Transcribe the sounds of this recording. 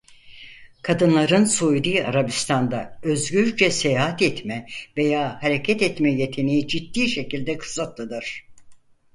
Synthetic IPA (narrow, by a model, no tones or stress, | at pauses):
kʰad̪ɯnlˠaɾɯnsojd̪ɯaɾabist̪ʰand̪aøzɡyɾd͡ʒɛse̞jaɦat̪ɛt̪mɛve̞jaːhaɾe̞cʰɛt̪ɛt̪mɛje̞t̪ʰe̞nejid͡ʒit̪ːiːʃe̞cilʲd̪ɛkʰɯ̥sat̪lˠɯd̪ɯɾ̥